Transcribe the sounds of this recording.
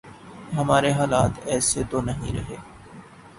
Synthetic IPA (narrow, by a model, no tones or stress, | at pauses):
ɦɐmaːɾeɦaːlaːt̪ɛːset̪onɐɦḭ̃ɾɐ̰ɦeː